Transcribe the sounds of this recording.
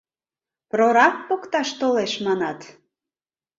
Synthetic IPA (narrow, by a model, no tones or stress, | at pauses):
proɾɑk̚pokt̪ɑʃt̪oleʃmɑnɑt̪